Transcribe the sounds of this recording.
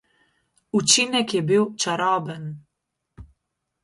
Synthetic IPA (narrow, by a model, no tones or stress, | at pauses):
ut͡ʃinɛkjɛbiwt͡ʃaɾɔːbən